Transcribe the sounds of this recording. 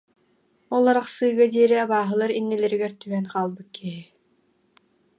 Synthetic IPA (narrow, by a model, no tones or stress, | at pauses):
ɔlˠaɾaχsɯːɡad̪iɛɾiabaːɦɯlˠaɾinːilɛɾiɡɛɾt̪yɛnqaːlˠbɯt̪̚kʰiɦi